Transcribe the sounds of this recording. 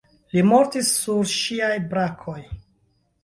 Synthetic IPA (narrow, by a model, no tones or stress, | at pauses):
limo̞ɾtisːuɾʃiajbɾakʰo̞j